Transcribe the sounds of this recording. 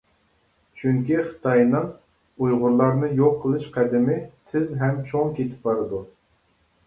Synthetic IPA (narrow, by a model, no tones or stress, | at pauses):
t͡ʃʰyŋkʲiχə̥t̪ʰɑjnɨŋ | ujʁʊɾlˠɑɾnɨjoqʰːəlˠɨʃqʰæd̪ɪmɪt̪ʰɪzɦɛmt͡ʃʰoŋkʲet̪ʰɪ̥p̚bɑɾɨd̪u